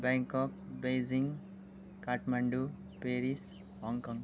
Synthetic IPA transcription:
bɛ̃ŋkɔk̚bed͡ʒiŋɡ | kaʈmɐɳɖu | peɾis | hɔŋkɔ̃ŋɡ

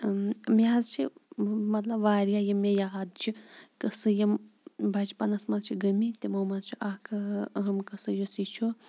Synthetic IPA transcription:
mjaːzt͡ʃʰḭmɐt̪lɐbʋaːɾjajɐmɐjaɦad̪t͡ʃʰikəsɨjɐmbʱɐd͡ʒpanɐsmɐlt͡ʃʰiɡɐmit̪ʲimɐmɐd̪t͡ʃʰiʔakʰɐɦɐmkɐsɨjosit͡ʃʰo

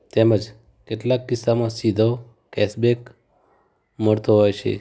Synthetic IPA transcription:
t̪eməd͡ʒ | keʈlaːkːɪsːamãsid̪ʱo | kɛsbek | məɽt̪oɦojt͡ʃʰḛ

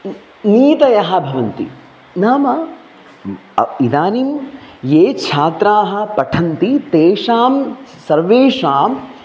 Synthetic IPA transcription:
niːt̪ɐjɐɦɐ̆bʱɐʋɐnt̪ḭ | naːmɐ | id̪aːnimjeːt͡ʃʰaːt̪ɾaːɦɐ̆pɐʈʰɐnt̪it̪eːʂaːmsɐɾʋeːʂaːm

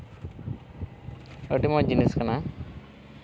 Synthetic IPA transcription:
əʈimɔd͡ʒineskana

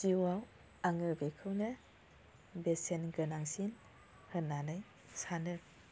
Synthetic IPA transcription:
ziwaw | aŋɯbekʰɯwnɯ | besenɡɯnaŋsin | hɯnːanɯj | sanɯ

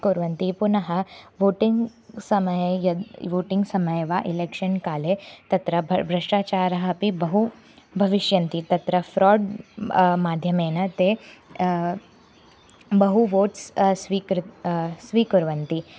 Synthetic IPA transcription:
kuɾʋɐnt̪ipunɐɦɐ̆ʋoːʈiŋɡ | sɐmɐjjɐʋoːʈiŋɡsɐmɐjʋaːʔileːkʃɐnkaːlet̪ɐt̪ɾɐbʱɾɐʂʈaːt͡ʃaːɾɐɦɐ̆pibɐɦu | bʱɐʋiʃjɐnt̪it̪ɐt̪ɾɐfɾɔːɖ | maːd̪ʱjɐmeːnɐt̪eː | bɐɦuʋoːʈssʋikɾsʋiːkuɾʋɐnt̪i

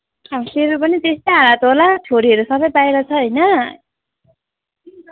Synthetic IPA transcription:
ʌseɾupʌnit̪est̪ʌjɦaɾat̪ɦolat͡sʰoɾiɦʌɾusʌbʌjbajɾʌt͡sʰʌɦʌjnʌ

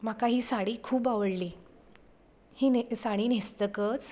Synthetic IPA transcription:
m̤akaɦiːsaɽiːkʰuːbaʋəɽliː | hiːnsaɽ̃iːnest̪əkət͡s

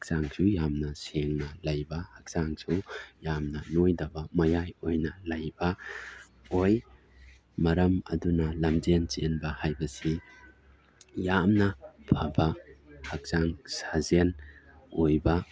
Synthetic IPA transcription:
k̚z̥aŋsujamnɐseŋnɐlɐjbɐhɐk̚z̥aŋsujamnɐnojdɐbɐmɐjajojnɐlɐjbɐ | oj | mɐɾɐmɐ̰dunɐlɐmd͡ʒent͡ʃenbɐhajbɐsi | jamnɐpʰɐbɐhɐk̚zaŋsazen | ojbɐ

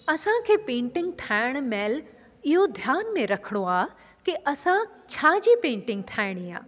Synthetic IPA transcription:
ɐsãkʰeːpẽːɳʈɪ̃ŋɡʈʰaːɪɽ̃mɛːl | ɪɦod̪ʱjaːnmẽɾɐkʰɽ̃oaː | kiʔɐsã | t͡ʃʰaːd͡ʑipẽːɳʈɪ̃ŋɡ̚ʈʰaːɪɽ̃ia̰ː

